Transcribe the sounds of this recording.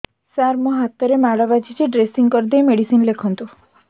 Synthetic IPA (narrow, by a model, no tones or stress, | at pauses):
saɾmɔɦat̪ɔɾemaɽɔbad͡ʒid͡ʒeɖɾesiŋkɔɾd̪ejmeɽisinlekʰɔnt̪u